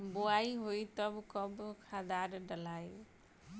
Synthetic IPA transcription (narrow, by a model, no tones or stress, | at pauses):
boaiɦoit̪ʌbkʌbkʰad̪aɾɖəlajo